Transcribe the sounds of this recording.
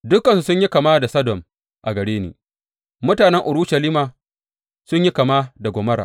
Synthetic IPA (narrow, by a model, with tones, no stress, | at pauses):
dʊ˦kɐ˨nsu˨sʊ˦ɲji˦kɐ˨maː˦da˨sɐ˦dɔ˨m | ʔa˨ɡɐ˨ɽeː˦nḭː˨ | mʊ˦taː˨nɛ˦ŋʔʊ˨ɽʊ˦ʃɐ˨liː˦maː˨ | sʊ˦ɲji˦kɐ˨maː˦da˨ɡʷoː˨mɐ˦ɾa̰˨